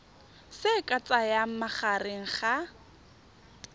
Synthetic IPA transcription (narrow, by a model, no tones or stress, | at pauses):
sɪkʼat͡sʼajam̩maχarɪŋ̩χa